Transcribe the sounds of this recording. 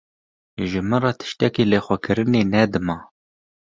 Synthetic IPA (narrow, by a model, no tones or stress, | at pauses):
ʒɨmɨnrɑːt̪ʰɨ̥ʃt̪ɛkiːlexʷɛkʰɨɾɨneːnɛd̪ɨmɑː